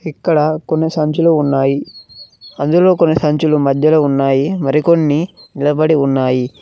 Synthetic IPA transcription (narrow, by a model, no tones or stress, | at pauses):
ikːɐɽɐkonːisɐɲt͡ʃuluːnːaːji | ɐnd̪ulo̞ːkonːisɐɲt͡ʃulumɐd̪ʱjɐloːunːaːjimɐɾiko̞nːiniɭɐbɐɽiunːaːji